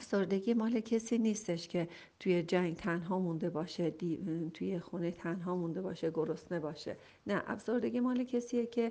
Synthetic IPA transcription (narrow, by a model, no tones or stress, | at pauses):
æfsoɾd̪e̞ɡʲiːmɒːle̞cʰesiːniːst̪e̞ʃcʰe̞ | t̪ʰuje̞d͡ʒæŋɡt̪ʰænɦɒːmund̪e̞bɒːʃed̪it̪ʰujexunet̪ʰænɦɒːmund̪e̞bɒːʃeɡoɾost̪ne̞bɒːʃḛ | næʔæ̰fso̞ɾd̪e̞ɡʲimɒːle̞cʰesiːjecʰe